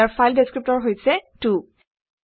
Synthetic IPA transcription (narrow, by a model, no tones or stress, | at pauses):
aɹfʰajldeskɹip̚tɔɹɦojsɛtu